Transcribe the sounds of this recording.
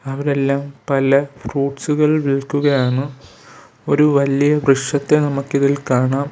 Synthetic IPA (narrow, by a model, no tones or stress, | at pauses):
ɐʋɐɾe̞lːaːmpɐlɐfruːʈsuɣɐɭʋiɭkːuɣɐjaːɳɨ | o̞ɾuʋɐlijɐbrɨʂɐt̪ːe̞nɐmukːiðilkaːɳaːm